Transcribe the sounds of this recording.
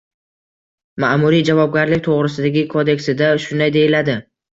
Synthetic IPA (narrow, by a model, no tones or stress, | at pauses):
maʔmʊɾijd͡ʒavɒb̚ɡʲaɾlɪk̚ʲt̪ʰoʁɾɪsɪd̪aɡʲɪkʰod̪e̞kʲsɪd̪aʃʊnd̪ajd̪e̞jɪlad̪ɪ